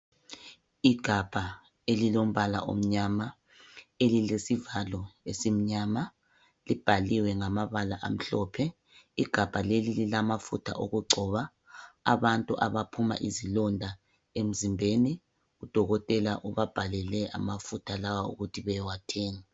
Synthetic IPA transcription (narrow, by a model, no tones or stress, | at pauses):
iɡ̥ʱab̥ʱa | elilom̩βala̰ʔo̰m̩ɲama | elilesivalɔesim̩ɲama | lib̥ʱaliwɛŋamaβalaʔam̩ɬɔpʰɛ | iɡ̥ʱab̥ʱalelililamafutʰa̰ʔoɣuɡ͡ǀʱɔːβa | a̰βantʼuʔaβapʰuma̰ʔizilɔndʱa | em̩zimbʱeni | ɣud̥ʱɔɣɔtʼɛlaʔuβab̥ʱalɛlɛʔa̰mafutʰalawaṵɣutʰiβɛjɛwatʰeːŋa